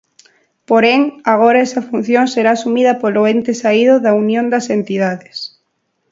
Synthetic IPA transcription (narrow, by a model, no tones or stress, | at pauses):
poɾeŋaɣ̞oɾaɛsɐfun̟θjoŋseɾaːsumiðɐpoloent̪esaiðʊðɐunjõnd̪ɐsent̪ið̞aðes